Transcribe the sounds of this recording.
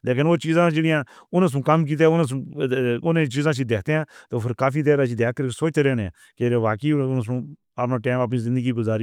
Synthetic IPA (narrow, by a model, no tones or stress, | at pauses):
leːk̬ɪnoːt͡ʃiːzãːd͡ʒeːɽijãːʊnə̃s̬ũːkəmk̬iːt̪̬eːʊns̬ | ʊnẽt͡ʃiːzãːs̬iːd̪eːkʰt̪eːãːt̪oːpʰɪɾkaːfiːt̪eːɾãːs̬iːd̪eːk̚kːəɾkesoːt͡ʃt̪eːɾeːneã̰ː | keɾeːʋaːkiːns̬ũː | əpnãːʈɛːməp̬niːzɪ̃nd̪əɡiːɡʊzaːɾiː